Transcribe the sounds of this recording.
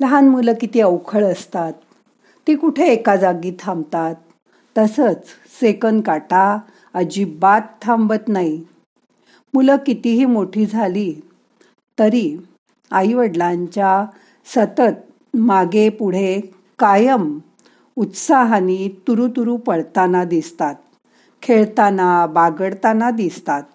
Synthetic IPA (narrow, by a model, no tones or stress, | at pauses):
ləɦanmuləkit̪iːəwkʰəɭəst̪at̪̚ː | iːkuʈʰeːkad͡zaɡiːt̪ʰãmbt̪at̪ː | əsət͡s | sekənkaʈa | əd͡ʑibat̪ʰːambət̪nai | muləkit̪iɦiːmoʈʰiːd͡zʱaliː | t̪əɾi | aiʋəɽlaɲt͡ɕja | sət̪ət̪̚ | maɡepuɽ̤e | kajəm | ut̪saɦanit̪uɾut̪uɾupəɽt̪anad̪ist̪at̪̚ | kʰeɭt̪anabaɡəɽt̪anad̪ist̪at̪̚